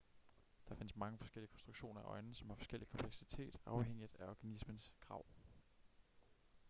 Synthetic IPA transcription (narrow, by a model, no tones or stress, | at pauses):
d̥ɑ̈fe̝n̰əsmɑ̈ŋəfɒ̽sɡ̥el̰iəkʰɒ̽nsd̥ʁuɡ̥ɕo̝̰ːnɐæʔɒ̽ɪnn̩sɒ̽mhɑ̈fɒ̽sɡ̥el̰i̥kʰɒ̽mpʰleɡ̥sit͡sʰe̝̰ːd̥ɑ̈ʊɦeŋ̰id̥æɒɡ̥ænismənskʰʁɑ̈ʊ̰